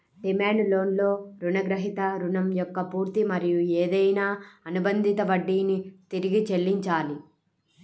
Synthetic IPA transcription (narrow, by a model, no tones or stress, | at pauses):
ɖimeːnlo̞ːnlo̞ːɾuɳɐɡɾɐɦit̪ɐɾuɳɐmjɔkːɐpuːɾt̪imɐɾijueːd̪ɐjnaːɐnubɐnd̪ʱit̪ɐʋɐɖːiːnit̪iɾiɡit͡ʃelːiɲt͡ʃaːli